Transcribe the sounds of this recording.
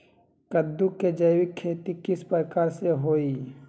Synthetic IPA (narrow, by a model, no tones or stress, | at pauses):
kəd̪ːukːed͡ʒəjwɪkʰːeːt̪ikɪspəɾkaːɾseɦoːi